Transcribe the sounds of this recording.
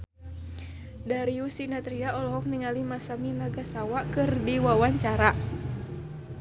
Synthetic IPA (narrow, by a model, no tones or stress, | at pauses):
daɾiusinat̪ɾiaɔlɔɦɔk̚niŋalimasaminaɡasawakɨrdiwawaɲt͡ʃaɾa